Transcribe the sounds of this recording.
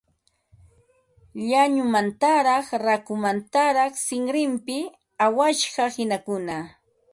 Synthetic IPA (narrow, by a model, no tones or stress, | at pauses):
ʎaɲʊmant̪aɾɑχɾakʊmant̪aɾɑχsɪŋɾɪmpɪ | awaʃɢɑhɪnakʊna